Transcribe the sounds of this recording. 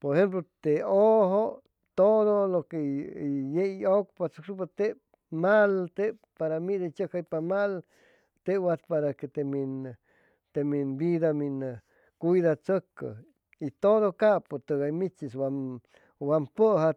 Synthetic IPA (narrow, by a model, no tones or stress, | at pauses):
poɾehemp̬lot̪eoɦo | t̪oðolokejeok̚pat͡səkʂup̬at̪e | malt̪eppaɾamid̪at͡ʃəkajpamal | t̪ewat̪paɾaket̪emin | t̪eminbid̪amin | kujd̪at͡səka̰ | it̪odokapot̪ɨɡajmit͡ʃiswam | wampəɦa